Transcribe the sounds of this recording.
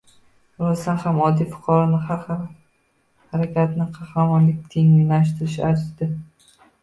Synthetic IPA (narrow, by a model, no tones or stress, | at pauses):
ɾɒzd̪anhamɒd̪ijfʊ̥qʰɑɾɒnɪha | haɾakʲat̪nɪqʰɑχɾamɒnlɪk̚ʲt̪ʰe̞ŋʊjlaʃ̬t̪ʰɪɾɪʃaɾd̪ɪ